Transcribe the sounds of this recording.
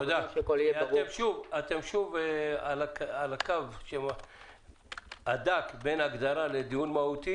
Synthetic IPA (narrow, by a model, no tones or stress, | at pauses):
od̪aekoleat̪emʃuvat̪emʃuvalakalakavʃe | ad̪akbenaɡd̪aɾaled̪ijunmahut̪i